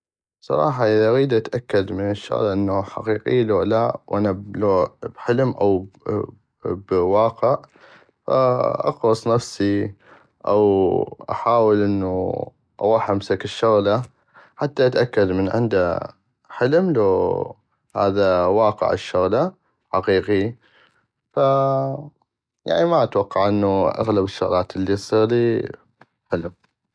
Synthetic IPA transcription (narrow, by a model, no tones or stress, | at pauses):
sˤɑ̰ɾˤɑːħɑʔɪðaʔaɣiːd̪ʔat̪ʔakːad̪mɪnɪʃːʊ̰ɣlaʔɪnːaħaqiːqḭlolawʔanablobħɪlmʔa̰w | bwɑːqɪʕ | fa̰ʔɑ̰qɾɑsˤnafsi | ʔa̰wʔa̰ħaːwɪlʔɪnːṵ | ʔa̰wɑːħʔamsakɪʃːʊɣla | ħat̪ːaʔat̪ʔakːad̪mənʕɪ̰nd̪a | ħɪlmlo | ha̰ːðawɑːqɪ̰ʕɪ̰ʃːʊɣla | ħɑqiːqi | fa | ja̰ʕnimaʔat̪wɑqːɑʕʔɪnːuʔa̰ɣlabɪʃːʊɣlaːt̪ʔɪlːisˤiːɣliː | ħɪlm